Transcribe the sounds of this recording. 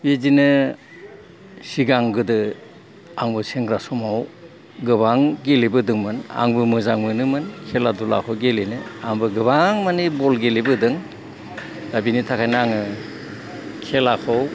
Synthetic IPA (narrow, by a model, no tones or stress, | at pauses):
bezinɯ | siɡaŋɡɯdɯ | aŋbɯseŋɡɾasɔmaw | ɡɯβaŋɡelebɯdɯŋmɯna̰ŋbɯmɯzaŋmɯnɯmɯnkʰeladula̰kʰɔwɡelenɯaŋbɯɡɯbaŋmanibɔlɡelibɯdɯŋ | d̥abinitʰakʰajnaaŋɯ | kʰelakʰɔw